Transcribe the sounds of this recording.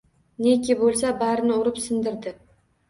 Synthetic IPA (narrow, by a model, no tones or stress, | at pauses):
nekʲʰɪbolˠsabaɾɪnɪʊɾɪpsɪnd̪ɪɾd̪ɪ